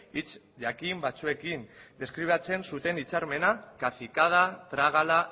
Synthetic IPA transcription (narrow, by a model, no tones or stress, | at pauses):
it͡s | ʝakimbat͡sue̞kind̪e̞skɾiβ̞at͡se̞nsut̪e̞nit͡saɾme̞nakaθikað̞at̪ɾaɣ̞ala